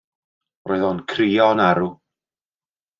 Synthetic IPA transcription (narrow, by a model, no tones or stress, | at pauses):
roːjðɔnkʰriːɔnaɾu